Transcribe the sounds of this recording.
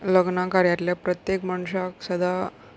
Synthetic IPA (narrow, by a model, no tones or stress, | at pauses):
ləɡnakaɾjaɾljapɾət̪jekmaɳ̃uʂaksəd̪ʱa